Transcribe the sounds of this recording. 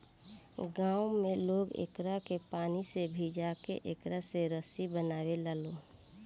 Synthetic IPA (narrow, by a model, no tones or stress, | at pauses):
ɡaːwmẽloːɡḛkɾakepaːnisebʱid͡ʒaːkḛʔekɾaseɾəsibənaːwelaːloː